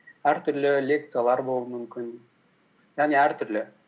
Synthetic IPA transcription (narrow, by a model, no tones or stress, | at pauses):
æɾt̪yɾlølʲek̚t̪sɨjalˠɑɾbolˠumymkʲyn | jɑʁniæɾt̪yɾlø